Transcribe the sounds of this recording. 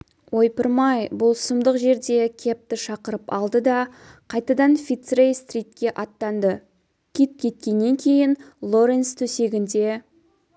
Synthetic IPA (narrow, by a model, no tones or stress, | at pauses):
wʔo̞jpəɾmɑjbʊlˠsəmd̪əqʒe̞ɾd̪e̞kʲʰe̞p̚t̪ɪʃɑqəɾəpɑlˠd̪əd̪ɑ | qʰɑjt̪ɑd̪ɑnfʲit̪srejst̪rʲijt̪̚kʲe̞ʔɑt̪ːɑnd̪ə | kʲʰit̪̚kʲʰe̞t̪̚kʲe̞nːe̞ŋkʲʰe̞jɪnlˠo̞ɾenst̪ʰɵse̞ɡʲɪnd̪e̞